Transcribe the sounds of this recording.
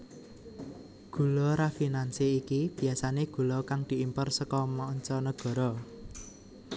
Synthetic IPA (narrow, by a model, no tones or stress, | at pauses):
ɡ̥ṳlɔɾafinanseikib̥i̤asaneɡ̥ṳlɔkaŋd̪̥i̤impərsəkɔmɔːɲt͡ʃɔnəɡ̥ɔ̤ɾɔ